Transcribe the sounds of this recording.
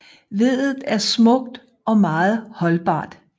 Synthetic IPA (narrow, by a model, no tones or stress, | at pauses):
ʋe̝ð̰ˠð̩ˠæɐsmɔ̽ɡ̥̚d̥ | ɒ̽mɑ̈ːð̞̩ˠhɒ̽lb̥ɑ̰̈ːd̥